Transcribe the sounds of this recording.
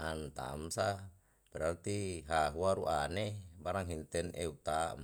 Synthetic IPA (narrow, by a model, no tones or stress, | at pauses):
ant̪a̰msa | b̥ɛɾart̪iɦaɦuaɾuʔanebaɾaŋɦint̪ɛneut̪am